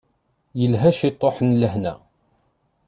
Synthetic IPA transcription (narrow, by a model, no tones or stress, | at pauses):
jəlɦæʃit̪ˤːoħənləɦnæ̰